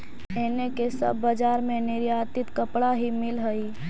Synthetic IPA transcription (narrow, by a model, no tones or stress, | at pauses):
eːnekesə̰bːəd͡ʒaːɾmẽnɪɾjaːt̪ɪt̪kəpɽaɦimɪlɦəi